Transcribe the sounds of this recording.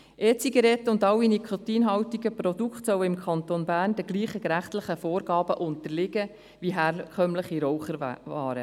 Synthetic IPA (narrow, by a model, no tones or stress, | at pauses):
ʔɛːt͡siɡeɾɛt̪ʊndɑwːinikʰot̪iːnɦɑwtiɡəpɾɔd̥̪ukχtsœwɪmkʰɑnt̪onbæːrnd̥əɡliːχəɡɾæχtlɪχəfoːɾɡɑːb̥əʔʊntəlɪɡə | ʋiɦæːɾkʰœmləχiɾɔwχəvɑːɾə